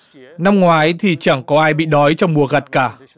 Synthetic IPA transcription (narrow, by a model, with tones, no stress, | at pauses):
na˧mŋwaː˨˦jt̪ʰi˨˩t͡ɕaː˧˩ŋkɔ˨˦ʔaː˧jɓḭ˧˨ɗɔ˨˦jt͡ɕɔ˧wŋ͡mmu˨˩əɣa˨˩t̚kaː˧˩